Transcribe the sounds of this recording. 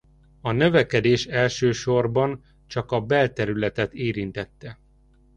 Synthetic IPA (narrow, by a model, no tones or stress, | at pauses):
ɒnø̞vɛkɛd̪eːʃɛlʃøːʃo̞rbɒn | t͡ʃɒkɒbɛlt̪ɛɾylɛt̪ɛt̪eːɾint̪ɛt̪ːɛ